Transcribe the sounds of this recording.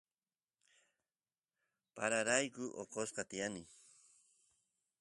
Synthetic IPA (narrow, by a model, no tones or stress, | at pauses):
paɾaɾajkʊʔoqosqɑt̪ɪjanɪ